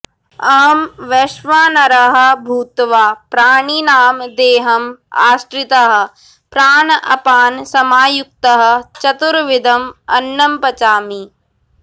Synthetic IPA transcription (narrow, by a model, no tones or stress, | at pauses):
ɐːmʋeʃʋaːnɐɾɐɦɐ̆bʱuːt̪ʋaːpɾaːɳinaːmd̪eːɦɐma̰ːsʈɾɪt̪ɐɦɐ̆ | pɾaːɳʔɐ̰paːnsɐmaːjʊk̚t̪ɐɦɐ̆t͡ʃɐt̪uɾʋɪd̪ʱɐmɐnːɐmpɐt͡ʃaːmi